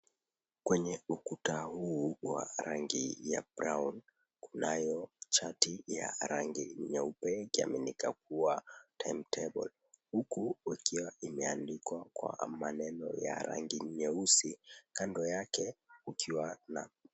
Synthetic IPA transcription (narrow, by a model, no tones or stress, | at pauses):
kwɛɲɛukutahuːwa̰ɾaŋɡḭja̰bɾawn | kunajɔt͡ʃatijaɾaŋɡiɲɛupɛikia̰minikak̚uatʰajmtʰɛbɔ̰l | hukuikiwaimɛandikwakwa̰manɛnɔ̰ja̰ɾa̰ŋɡiɲɛusikandɔjakɛukiwana